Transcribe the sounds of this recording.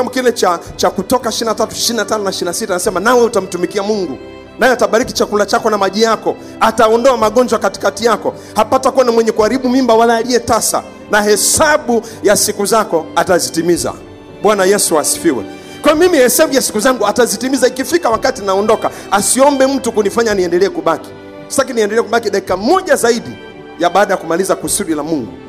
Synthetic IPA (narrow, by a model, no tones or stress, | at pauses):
amukinɛt͡ʃat͡ʃakutɔkaiʃininatatuiʃiɾninatanɔnaiʃininasitanasɛmanawɛutam̩tumikiamuŋɡu | najɛataɓaɾikit͡ʃakulat͡ʃakɔnamaʄijakɔ | ataɔndɔamaɠɔnd͡ʒwakati̥katijakɔ | hapatakuanamwɛɲɛkuaɾiɓumimbawalaːliɛtasa̰ | nahɛsaɓu | jasikuzakɔatazitimiza̰ | ɓwanajɛsuasi̥fiwɛ̰ | kwajɔmimihɛsaɓujasi̥kuzaŋɡuatazitimizaikifikawakatinaɔndɔka | asiɔmbɛm̩tukunifaɲaniɛndɛlɛɛkuɓaki̥ | sḁsakiniɛndɛlɛkuɓakiɗaki̥kamɔʄazaiɗi | jaɓaːɗajakumalizakusuɗilamuŋɡu